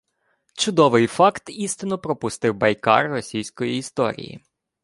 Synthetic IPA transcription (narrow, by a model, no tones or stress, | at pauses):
t͡ʃʊd̪ɔʋɪjfɑkt̪ist̪ɪnɔpɾɔpʊst̪ɪwbɐjkɑ̰rːɔsʲijsʲkɔjiːst̪ɔ̰ɾʲḭjḭ